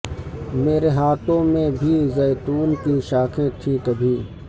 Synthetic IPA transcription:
meːɾeɦaːt̪õːmẽbʱiːzeːt̪uːnkiʃaːkʰẽt̪ʰĩkəbʱĩː

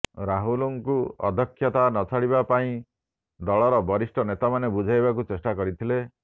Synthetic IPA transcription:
ɾaɦuluŋkuɔ̰d̪ʱɔkʰːjɔt̪anɔt͡ʃʰaɽibapaĩ | d̪ɔɭɔɾɔbɔɾisʈɔnet̪amanebud͡ʒʱajbakut͡ʃesʈakɔɾit̪ʰile

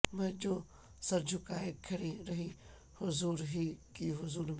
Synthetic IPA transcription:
mɐ̃d͡ʑoː | sɐɾd͡ʑʱʊkaːekʰɐɽiɾɐɦi | hʊzuːɾɦikiɦʊzuːɾm

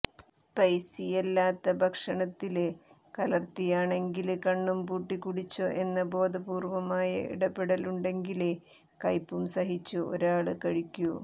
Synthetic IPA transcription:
spɐjsijelːaːt̪ːɐbʱɐkʂɐɳɐt̪ːil | kɐlɐrt̪ijaːɳe̞ŋɡilkɐɳːumpuːʈːikːuɽit͡ɕːoʔe̞nːɐbo̞ːd̪ʱɐbuːrʋɐmaːjɐ̰ʔḭɽɐpːeɽɐluɳɖe̞ŋɡile | kɐjpːumsɐɦit͡ɕːuo̞̰ɾaːɭɨkɐɻikʲːu

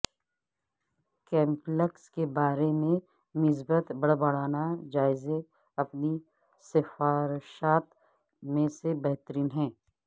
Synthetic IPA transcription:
kɛ̃ːmpləkskebaːɾemẽ | mɪs̬bət̪bɐɽbɐɽ̤aːnad͡ʒaːɪze | ɐpni | sɪfaːɾʃaːt̪ | mẽsebɛɦt̪əɾiːnɦɛ̃ː

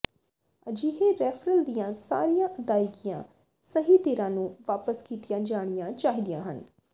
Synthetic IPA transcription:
əd͡ʒiːɦeːɾɛːpʰɾəld̪ijãːsa̰ːɾijãːʔəd̪aːɪkɪjã̰ː | səɦiːt̪eːɾãːnũːʋaːpəskiːt̪ɪjãːd͡ʒaːɽ̃ijãːt͡ʃaːɦiːd̪ijã̰ːɦən

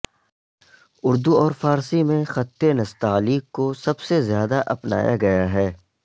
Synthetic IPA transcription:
ʊɾd̪uɔːɾfaːɾsimẽxɐt̪ːenɐst̪aːliːkːosɐbsezjaːd̪aʔɐpna̰ːja̰ɡɐjaɦɛː

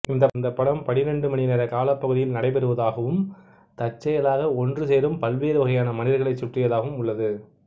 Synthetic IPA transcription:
ɪnd̪ɐɪnd̪ɐpːɐɽɐmpɐðɪɾɛɳɖɯmɐnɪneːɾɐkaːlɐpːɐɣɯðɪjɪlnɐɽɐɪpɛɾɯʋɐðaːɣɐʋɯm | t̪ɐt͡ʃːɐjɐlaːɣɐɔndrɯseːɾɯmpɐlʋeːɾɯʋɐɣɐjaːnɐmɐnɪɾɐɣɐɭɐɪt͡ʃːʊʈrɪjɐðaːɣɐʋɯmʊɭːɐðɯ

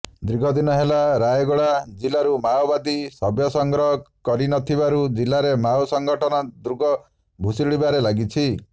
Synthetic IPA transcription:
d̪ɾiɡʱɔd̪inɔɦelaɾajeɡɔɭad͡ʒilaɾumawbad̪isɔbjɔsɔŋɡɾɔɦɔkɔɾinɔt̪ʰibaɾud͡ʒilaɾemawsɔŋɡɔʈʰɔnɔd̪ɾuɡɔ | bʱusiɽibaɾelaɡit͡ʃʰi

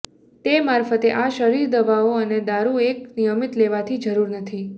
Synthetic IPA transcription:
t̪emaɾfət̪eʔaʃəɾiɾd̪əʋaoəned̪aɾueknijəmit̪leʋat̪ʰid͡ʒəɾuɾnət̪ʰi

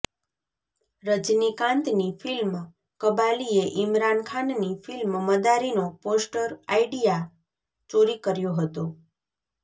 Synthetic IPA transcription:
ɾəd͡ʒnikãnt̪nifilm | kəbalieʔɪmɾankʰannifilmməd̪aɾinoposʈəɾaiɖija | t͡ʃoɾikəɾjoɦət̪o

